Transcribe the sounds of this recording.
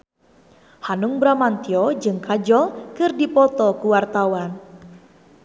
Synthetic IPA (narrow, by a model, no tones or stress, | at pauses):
hanuŋbɾamant̪iɔd͡ʒɨŋkad͡ʒɔlkɨrdipɔt̪ɔkuwart̪awan